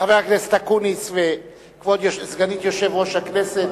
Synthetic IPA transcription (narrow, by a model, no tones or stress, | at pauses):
aveaknɛst̪akunisve | kvod̪joʃsɡanit̪joʃɛvʁoʃaknɛset̪